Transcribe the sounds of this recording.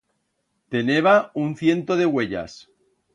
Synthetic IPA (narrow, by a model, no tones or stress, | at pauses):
t̪e̞neβ̞aunθje̞nt̪oð̞e̞ɣwe̞ʎa̰s